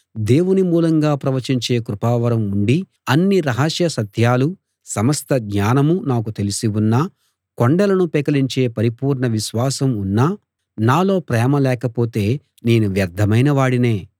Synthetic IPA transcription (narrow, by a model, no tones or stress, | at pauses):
d̪e̞ːwunimuːlɐŋɡaːpɾɐʋɐɾt͡ʃiɲt͡ʃe̞ːkɾupaːʋɐɾɐmuɳɖi | ɐnːiɾɐɦɐʃjɐsɐd̪ʰʱjaːlu | sɐmɐst̪ʰɐɡɲaːnɐmunaːk̬ut̪e̞lisiwunːɐ | koɳɖɐlɐnupɛːkɐliɲt͡ʃe̞ːpɐɾipuːɾɳɐʋiʃʋaːsɐmunːa | naːlo̞ːpɾɛːmɐlɛːkɐpo̞ːt̪e̞ː | ne̞ːnuʋjɐɾd̪ʱɐmɐjnɐʋaːɽine̞ː